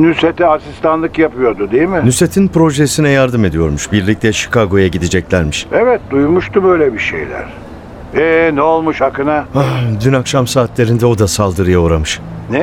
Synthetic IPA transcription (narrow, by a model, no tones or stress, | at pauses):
nyset̪iasist̪anlˠɯkjapɯjo̞d̪ʊd̪ejmɪnyse̞t̪ʰinpɾo̞ʒesinɛjaɾd̪ɯme̞d̪ijo̞ɾmuʃbiɾlʲic̚t̪ʰɛʃi̥kʰaɡo̞jaɟid̪id͡ʒɛclʲæɾmiʃevɛt̪̚d̪ujmuʃt̪ubø̞jlʲɛbiʃḛjlʲæ̰ɾ̥ | ɛnɛolˠmuʃhakɯnaad̪ynakʃamsaːt̪ʰlʲe̞ɾind̪ɛo̞d̪asalˠd̪ɯɾɯjaoɾamɯʃ | nɛ